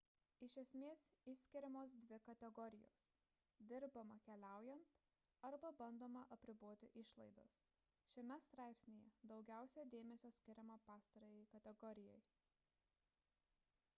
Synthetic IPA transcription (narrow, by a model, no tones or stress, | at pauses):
ɪʃʲɛsʲmʲeːsɪʃʲsʲkʲɪɾʲɛmoːs̬d̪ʲʋʲɪkɐt̪ʲɛɡɔɾʲɪjo̰ːs | d̪ʲɪɾbɐmɐkʲɛlʲæˑʊjɛnt̪ | ɐɾbɐbɐnd̪oːmɐʔɐpʲɾʲɪboːt̪ʲɪʔɪʃlˠɐɪd̪ɐ̰s | ʃʲɛmʲɛst̪ɾɑˑɪpʲsʲnʲejɛd̪ɒʊɡʲæˑʊsʲɛd̪ʲeːmʲɛsʲoːsʲkʲɪɾʲɛmɐpɑːst̪ɐɾoːjɛɪkɐt̪ʲɛɡɔɾʲɪjɛj